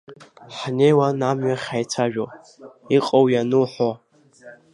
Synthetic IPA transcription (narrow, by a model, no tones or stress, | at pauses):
ħnejwanamɥaχʲajt͡sʷʰaʒᶣo | iqʼowjanuħʷo